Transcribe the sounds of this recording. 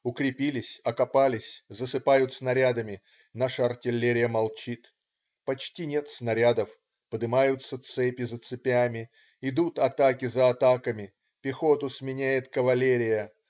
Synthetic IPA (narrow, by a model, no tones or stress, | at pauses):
ʊkɾʲɪpʲilʲɪsʲɐkɐpalʲɪsʲzəsɨpajʊt̪snɐɾʲad̪əmʲɪ | naʂəɐrtʲɪlʲːeɾʲɪjəmɐlˠt͡ɕit̪ | pɐt͡ɕtʲinʲe̞t̪snɐɾʲad̪əf | pəd̪ɨmajʊt̪sət̪sɛpʲɪzət̪sɨpʲamʲɪ | ɪd̪ut̪ɐt̪akʲɪzəːt̪akəmʲɪ | pʲɪxo̞t̪ʊsmʲɪnʲæjɪt̪kəvɐlʲeɾʲɪjə